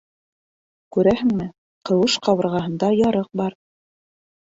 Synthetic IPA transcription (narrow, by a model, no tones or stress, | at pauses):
kʉɾæhɘŋmɘ | qɤ̆wɤʃqɑβɤ̆ɾʁɑɦɤ̆nd̪ɑjɑɾɤq̚bɑɾ